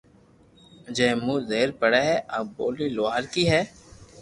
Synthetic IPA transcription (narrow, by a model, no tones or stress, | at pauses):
d͡ʒɛ̃ːmũːzeːɾpəɽeːɦɛːʔaboːliːloaːɾkiːɦɛː